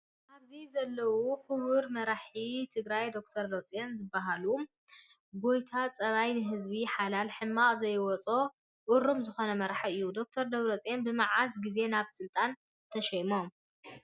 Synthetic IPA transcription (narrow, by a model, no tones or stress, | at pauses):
ʔaβzizɐlːɐwuxɨβɨɾmɐɾaħit̪ʰɨɡɾajd̪o̞kt̪ʰɐɾd̪ot͡sʼenzɨbːaɦalu | ɡo̞jt̪ʰat͡sʼɐβajnɨɦɨzβiħalalħɨmːakʼzɐjwɔt͡sʼo | ʔʊɾumzɨxo̞nɐmɐɾħaɨjːud̪o̞k̚t̪ʰɐɾd̪ɐβɾot͡sʼenbɨmaʕasɡize̞naβsɨlt̪ʼan | t̪ʰɐʃɐjmom